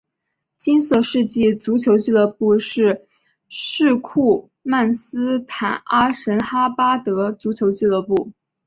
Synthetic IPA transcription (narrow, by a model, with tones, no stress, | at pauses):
t͡ɕi˥nsɤ˥˧ʂɻ̩˥˧t͡ɕi˥˩t͡su˧˥t͡ɕʰjo˧˥ʊt͡ɕi˥˩lə˥˧pu˥˧ʂɻ̩˥˧ | ʂɻ̩˥˧kʰu˥˩ | ma˥˩nsɹ̩˥t̪ʰa˨˩na˥ʂə˧˥nxa˥pa˥t̪ɤ˧˥t͡su˧˥t͡ɕʰjo˧˥ʊt͡ɕi˥˧lə˥˧pu˥˩